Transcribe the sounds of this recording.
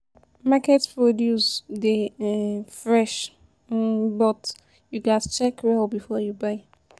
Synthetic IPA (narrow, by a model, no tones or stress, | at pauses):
makɛtspɹɔdjusdə | fɹɛʃ | bɔt | juɡatt͡ʃɛkɹɛlbifɔjubaɪ